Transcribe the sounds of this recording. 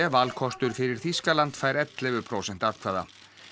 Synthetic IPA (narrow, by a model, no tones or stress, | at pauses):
ɛvalkʰɔst̪ʏɾ̥fɪɾɪɾ̥θiskalant̪faːjɾɛt̪lɛvʏpʰɾowsɛn̥t̪aðkʰvaːða̰